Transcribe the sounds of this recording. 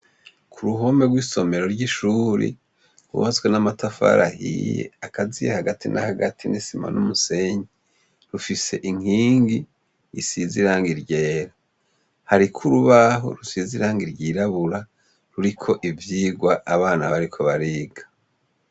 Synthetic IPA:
kʰuɾuɦo̞me̞ɡwiːso̞me̞ɾo̞ɾɟiʃuːɾḭ | ɾṵβat͡sɡwe̞namatafa̰ɾʔahḭjḛakazijehaɡatinʔa̰haɡatʰinisima̰nʔumuse̞ɲe | ɾufise̞ʔiŋ̥hiːŋɡi | isiziɾaːŋɡiɾɟe̞ːɾa | haɾikʰuɾuβaɦo̞̰ɾusiziɾaːŋɡiɾɟiːɾaβuɾa | ɾuɾikʰo̞ʔivjiːɡwaaβaːna̰βaɾikʰo̞βaɾiːɡḁ

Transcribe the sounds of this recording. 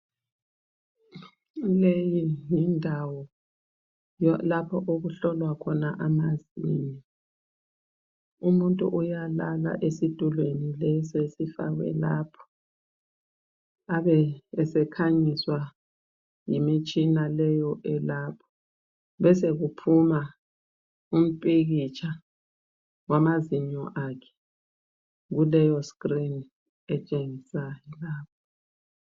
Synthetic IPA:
lejijindʱawɔ | lapʰɔʔoɣuɬɔlwakʰɔnaʔamazinɛ | umuntʼṵʔujalala̰ʔesid̥ʼʱulwenilɛsesifa̰ɣwɛ̰lapʰɔ̥ | aβɛːsɛkʰaɲiswa | jimit͡ʃʼinalɛjɔʔɛlaːpʰɔ̥ | βɛseɣupʰuma | um̩pʼiɣit͡ʃʰa | wamaziɲɔ̰ʔakʰɛ̥ | ɣulɛjɔskrin | ɛt͡ʃʼeŋisajɔlaːp̚ʰɔ

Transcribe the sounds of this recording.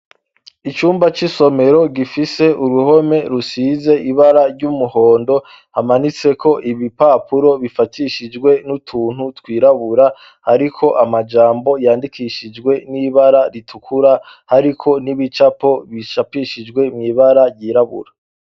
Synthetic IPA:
it͡ʃuːmbat͡ʃiso̞me̞ɾo̞ɡifise̞uɾuho̞me̞ɾusize̞ʔiβaɾaɾɟumuho̞ːndo | hamanit͡se̞kʰo̞ʔiβipaːpuɾo̞βifatʰiʃid͡ʒɡwe̞nutʰuːn̥hutwiːɾaβuɾa | haɾikʰo̞ʔamad͡ʒaːmbo̞jaːndikʰiʃid͡ʒɡwe̞niβaɾaɾitʰukʰuɾa | haɾikʰo̞niβit͡ʃapo̞βiʃapiʃid͡ʒɡwe̞mɲiβaɾaɾjiːɾaβṵɾa

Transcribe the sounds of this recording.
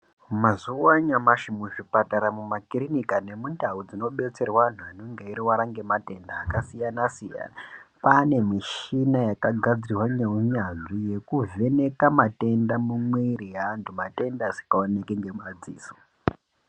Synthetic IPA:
mazuwaɲamaʃimuʐipataɾamumakirinikane̞mundaud͡zino̞ɓe̞t͡se̞rwaan̤uanoŋɡeiɾiwaɾaŋɡe̞mate̞ndaːkasijanasija̰napane̞miʃinajakaɡʱad͡zirwaɲeuɲanʐije̞kuve̞ne̞kamate̞ndamumweiɾijaːntʰumate̞ndazi̥kaonekeŋɡead͡zḭːso̥

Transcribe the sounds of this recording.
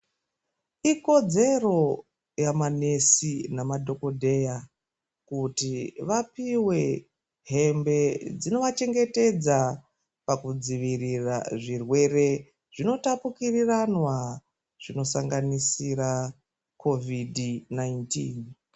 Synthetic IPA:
iko̞d͡ze̞ro̞ | jamane̞sinamadʱo̞ko̞dʱe̞ja | kutiʋapiwe̞ | ɦe̞mbe̞d͡zino̞ʋat͡ʃe̞ŋɡe̞te̞d͡za | pakud͡ziʋirira̰ʐirwe̞re̞ | ʐ̥ino̞tapukiriranwa | ʐ̥ino̞saŋɡanisiɾa | kʰo̞vidinaintiːn

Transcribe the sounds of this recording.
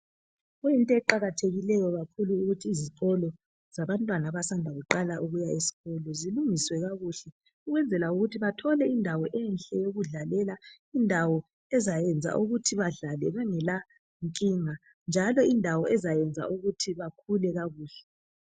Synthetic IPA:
ɣuintʼɔɛǃaɣatʰeɣilɛjɔɣakʰuluːɣutʰiːziǀɔlɔ | z̥aβantʼwanaβasandʱaɣuǃalaʔuɣujaesi̥ɣɔlɔziluŋiswɛɣaɣuɬɛ | uɣwɛnd͡zʱɛlauɣutʰiβatʰɔlɛindʱawɔʔɛnɬʼɛjoɣuɮalɛla | indʱawɔ | ɛzajɛnd͡zʱa̰ʔuɣutʰiβaɮalɛβaŋɛla | ŋkʼiŋa | nd͡ʒʱalɔindʱawɔɛzajɛnd͡zʱa̰ʔuɣutʰiβakʰulɛɣaɣuːɬɛ

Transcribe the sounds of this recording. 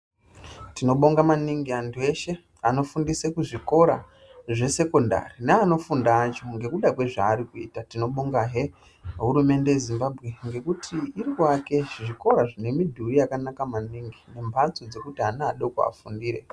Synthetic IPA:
tino̞ɓo̞ŋɡamaniŋɡiantʰue̞ʃe̞ | ano̞fundisekuʐiko̞ɾa̰ | ʐe̞se̞ko̞nda̰rineano̞fundaːt͡ʃo̞ŋɡe̞kuɗakwe̞ʐaːɾikuḭːtatino̞ɓo̞ŋɡaɦe̞ | ɦuɾume̞nde̞jezimbabʱɣe̞ŋɡe̞kutʰiirikake̞ʐiko̞ɾaʐine̞midʱurijakanakamaniŋɡine̞mbʱant͡sod͡ze̞kutianaːɗokua̰fundiːɾe̞

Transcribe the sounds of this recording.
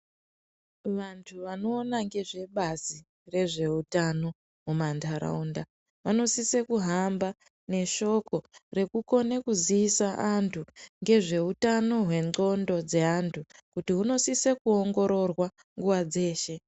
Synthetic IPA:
ʋantʰuʋano̞ːnaŋɡe̞ʐe̞ɓazi | re̞ʐe̞utano̞ | mumandʰʱaɾa̰unda | ʋano̞sisekuɦamba | ne̞ʃo̞ko̞re̞kuko̞nekuziisaʔantʰuŋɡe̞ʐe̞utano̞ɦwe̞ŋ͡ǃo̞ndo̞d͡ze̞antʰukutiɦuno̞sisekuoŋɡo̞ɾo̞rwa | ŋɡuʋad͡ze̞ːʃe̞

